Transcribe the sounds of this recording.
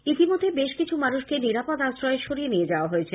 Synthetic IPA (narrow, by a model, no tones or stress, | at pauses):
it̪imod̪ʱːebeʃkit͡ɕʰumanuʃkeniɾapod̪asɾɔeʃoɾijenijed͡ʑaoaɦoet͡ɕʰe